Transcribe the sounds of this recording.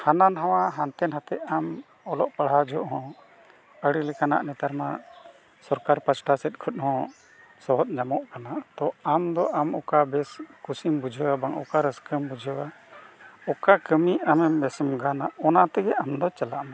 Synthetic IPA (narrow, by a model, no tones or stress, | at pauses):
hananɦãwaɦant̪ɛnɦat̪ɛʔam | ɔlɔʔpaɽɦad͡ʒɔʔɦɔ̃ | əɽilɛkana̰ʔnɛt̪aɾma̰ | sɔɾkaɾpat͡ʃʰʈasɛt̪̚ˀkʰɔt̪̚hɔ̃ | sɔɦɔt̪̚ɲamɔʔkanat̪ɔamd̪ɔʔamɔkabɛskusimbud͡ʒʱəwabaŋɔ̰kaɾəskəmbud͡ʒʱəwa | ɔkakəmiamɛmbɛsmɡanaɔnat̪ɛɡɛamd̪ɔt͡ʃalaʔma